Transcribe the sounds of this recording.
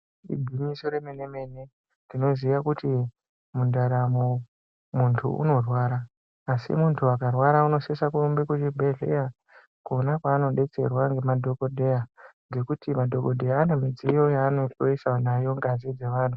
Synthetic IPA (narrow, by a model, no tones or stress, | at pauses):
ḭbʱimisoɾemeneme̞ne̞ | dino̞zijakuti | mundaɾamo | muntʰṵʔṵno̞rwaːɾaː | sḭmuntʰuakarwaɾauno̞sesakuumbekut͡ʃibʱeɮḛja | konakwaːno̞ɗe̞t͡se̞̰rwaŋɡe̞madʱo̞kodʱejanɡe̞kutimadʱo̞kodʱe̞jaːne̞mid͡zijo̞jaːnooisanajo̞ŋɡazid͡ze̞ʋaːntʰu̥